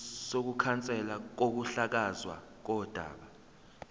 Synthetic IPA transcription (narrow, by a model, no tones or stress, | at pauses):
sok̬ukʰant͡sʼɛlak̬ok̬uɬak̬azwa̰ | k̬ɔd̥ʱa̰ːɓa